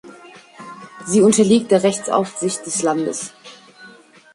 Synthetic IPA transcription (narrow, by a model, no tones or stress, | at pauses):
ziːʊntɐliːk̚t̚d̥eːɐʁɛçt͡sa̰ʊfz̥ɪçt̚d̥ɛslandə̰s